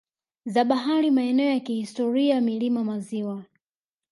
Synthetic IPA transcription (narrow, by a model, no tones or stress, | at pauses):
zaɓaɦaɾimaɛnɛɔjakihistɔɾiamilimamaziwa